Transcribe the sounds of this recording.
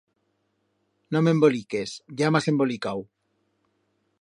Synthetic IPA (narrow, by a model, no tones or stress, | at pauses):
nomembolikesʝamase̞mbo̞likaw